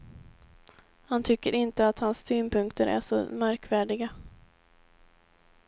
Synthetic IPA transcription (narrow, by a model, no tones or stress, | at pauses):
hant̪ʰʏkːəɾɪnt̪əat̪hanssyːnpʰɵŋkt̪əɾʔæ̰ʂɔ̰mæɾkvæːɖɪɡa